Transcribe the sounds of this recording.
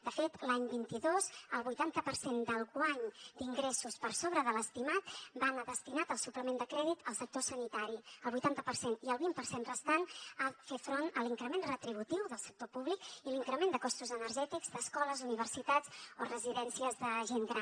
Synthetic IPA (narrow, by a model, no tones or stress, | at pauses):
d̪̥əfet̪laɲbint̪iðozəlˠβujt̪ant̪əpəɾsend̪əlˠɣwaɲd̪iŋɡɾɛsuspəɾsoβɾəðələst̪imat̪banəðəst̪inat̪əlˠsupləmend̪əkɾɛðit̪əlˠsək̚t̪osənit̪aɾiəlˠβujt̪ant̪əpərseniəlˠβimpərsenrəst̪anafefɾonəliŋkɾəmenrət̪ɾiβ̞ut̪iwðəlˠsə̥k̚t̪opuβlikiliŋkɾəmend̪əkɔst̪uzənəɾʒɛt̪iɡzd̪əskɔləzuniβ̞ərsit̪ad͡zorəziðɛnsiəzðəʒeŋɡɾan